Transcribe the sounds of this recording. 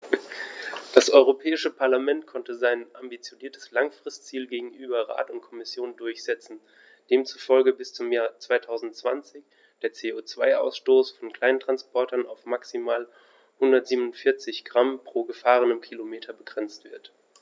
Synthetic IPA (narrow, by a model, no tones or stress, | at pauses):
d̥asʔɔʏʁopʰɛːɪʃəpʰaɐlamɛntkʰɔntəzaɪnʔambit͡sjoniːɐtʰə̥slaŋfʁ̥ɪstt͡siːlɡeːɡŋ̩ʔyːbɐʁa̰ːtʊnt̚kʰɔmɪsjoːndʊɐçz̥ɛt͡sn̩ | d̥eːmt͡sufɔlɡəbɪst͡sʊmjaːt͡sv̥aɪtʰaʊzn̩tt͡sv̥a̰nt͡sɪç | d̥eːɐt͡seːoːt͡sv̥aɪʔa̰ʊsʃtoːsfɔnkl̥aɪnntʁ̥anspɔɐtɐnaʊfmaksimaːl | hʊndɐtz̥iːbnʊntfɪɐt͡sɪçɡ̥ʁampʁ̥oːɡəfaːʁ̞ənəmkʰilomeːtʰɐbəɡʁɛnt͡stv̥ɪɐt